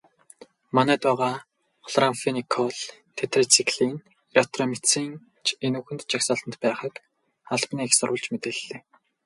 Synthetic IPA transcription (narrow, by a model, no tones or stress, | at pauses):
manæːt̪ʊːʁaː | χɔɮramfenikʰɔɮt̪ʰet̪ʰrɔt͡sʰikɮin | elekʰt̪rɔmit͡siːŋ | enuːxɘ̆nt̪t͡ɕaksaːɮt̪ə̆nt̪pæːχə̆k | aɮpniːxsʊɾwə̆ɮt͡ɕmet̪ɘ̆ɮːeː